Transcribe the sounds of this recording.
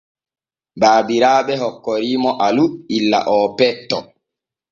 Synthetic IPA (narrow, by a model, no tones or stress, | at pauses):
baːbiɾaːɓɛɦɔkːɔɾiːmɔʔaluilːa̰ʔɔːpɛtːɔ